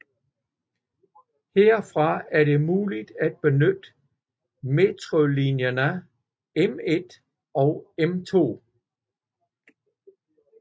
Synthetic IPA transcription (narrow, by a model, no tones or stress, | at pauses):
heɐ̰fʁɑ̈æɐɾ̥e̝muːlid̥æd̥̚b̥e̝nød̥ | me̝t͡sʰʁolinjɐnə | eme̝d̥ | ɒ̽ʊemt͡sʰo̝̰ː